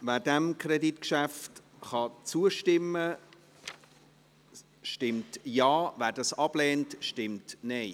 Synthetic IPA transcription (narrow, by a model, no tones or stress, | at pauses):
væːdɛmkʰrɛditkʃæftχɑt͡suəʃtɪmːə | ʃtɪmtjɑːvæːdɑsɑb̥lɛːntʃtɪmtnɛɪ